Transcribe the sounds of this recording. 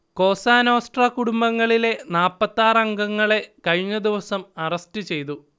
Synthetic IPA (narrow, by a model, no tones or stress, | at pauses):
ko̞ːsaːnoːsʈrɐkuɽumbɐŋːɐɭile̞naːpːɐt̪ːaːrɐŋɡɐŋːɐɭe̞kɐɻiɲːɐd̪iʋɐsɐmɐrɐstɨt͡ɕe̞jt̪u